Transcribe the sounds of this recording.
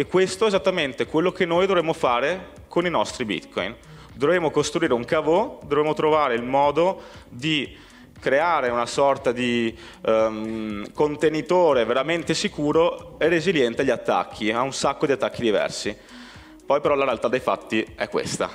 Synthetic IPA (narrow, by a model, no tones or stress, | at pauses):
ekːwest̪oezat̪ːament̪ekwelːokenːojd̪ovɾemːofaːɾe | koninɔst̪ɾibḭt̪kɔ̰jn | d̪ovɾemokost̪ɾuiːɾeuŋkavod̪ovɾeːmot̪ɾovaːɾeilmɔːd̪od̪i | kɾeaːɾeunasɔrt̪ad̪i | kont̪enit̪oːɾeveɾament̪esikuːɾoerːeziljɛnt̪eaʎːiat̪ːa̰kʰːiaunsakːod̪iat̪ːakːid̪ivɛ̰rsi | pɔjpeɾɔlaɾealt̪ad̪ːejfa̰t̪ːiɛkːwḛst̪a̰